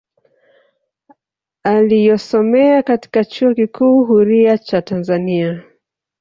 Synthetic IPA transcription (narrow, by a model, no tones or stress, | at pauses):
alijɔsɔmɛakati̥kat͡ʃuɔkikʰuːɦuɾiat͡ʃatanzania